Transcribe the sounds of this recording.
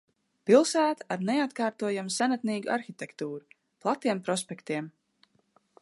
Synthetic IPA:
pilˠsæːt̪ḁaɾneat̪kaːɾt̪uɔjamusanat̪niːɡuʔaɾxit̪ʲekt̪uːɾu | plˠat̪iɛmpɾɔspʲekt̪iɛm

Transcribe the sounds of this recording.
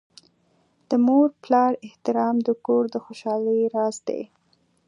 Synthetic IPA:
d̪̥əmoɾplɑɾɪht̪ɪɾɑmd̪əkoɾd̪əxoʃɑləɾɑzd̪ḛ

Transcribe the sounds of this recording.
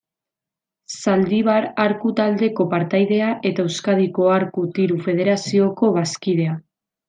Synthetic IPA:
sald̪iβ̞aɾaɾkut̪ald̪e̞ko̞paɾt̪ajðe̞aʔe̞t̪aewskað̞iko̞aɾkut̪iɾufe̞ð̞e̞ɾasio̞ko̞βaskiðe̞a

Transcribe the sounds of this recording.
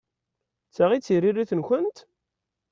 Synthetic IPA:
t͡sːaʁit͡sːirirːiθənçʷənt̪

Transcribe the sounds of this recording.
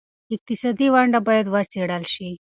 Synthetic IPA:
ik̚t̪isəd̪iʋaɳɖabəjed̪ʋat͡seɽalɕi

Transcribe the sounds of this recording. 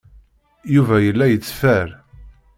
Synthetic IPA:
juvæjəlːæjət͡sːfæɾ

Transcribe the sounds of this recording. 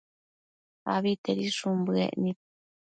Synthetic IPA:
aβit̪eɾiʂumbɨḛʔnĩp̚

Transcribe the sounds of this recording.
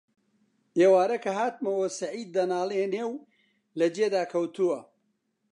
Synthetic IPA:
ʔeːwaːɾɐkʰɐɦaːt̪̚mɐwoːsɐʕiːd̪̚ːɐnaːlˠeneːw | lɐd͡ʒeːd̪aːkʰɐwt̪uwɐ

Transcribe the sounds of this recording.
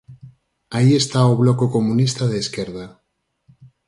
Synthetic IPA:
aiest̪aoβlokokomũnist̪aðeːskeɾð̞a

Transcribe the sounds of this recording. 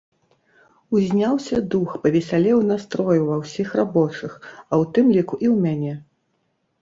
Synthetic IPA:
uzʲnʲawsʲɐd̪uxpɐvʲɛsʲalʲɛwnast̪ɾɔjuvɐwsʲixrabɔt͡ʂɨxɐwt̪ɨmlʲikuʔiwmʲanʲɛ

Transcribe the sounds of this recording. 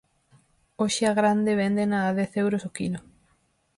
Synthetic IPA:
oʃɪaɣɾand̪eβɛnd̪enaːðɛθewɾosokilo

